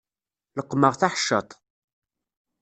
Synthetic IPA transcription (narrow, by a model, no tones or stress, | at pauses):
ləqːməʁθaħəʃːət̪ˤ